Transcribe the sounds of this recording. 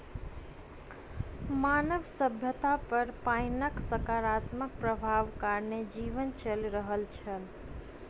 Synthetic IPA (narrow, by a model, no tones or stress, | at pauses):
manəʋsəbʱjət̪apəɾpajnəksəkaɾat̪mək̚pɾəbʱaʋkaɾned͡ʒiʋənt͡ʃəlɾəɦəlt͡ʃʰəl